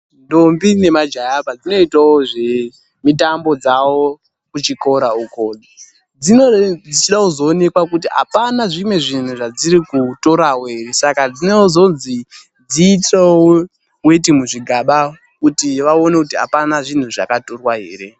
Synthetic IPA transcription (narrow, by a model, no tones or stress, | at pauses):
ndo̞mbine̞mad͡ʒajapad͡zino̞itwawoʐe̞ | mitambo̞d͡zawo̞ | kut͡ʃiko̞ɾaukoɗi | d͡zinod͡zit͡ʃiɗakuzoːne̞kwakut̬iɦa̰panaʐimwe̞ʐin̤uʐad͡ziɾikuto̞ɾawoɦeɾe̞sakad͡zinozo̞nzi | d͡ziːtewo | wet̬imuʐiɡʱaɓa | kutiʋao̞nekutiɦa̰panaʐin̤uʐa̰katorwaɦḛːre̞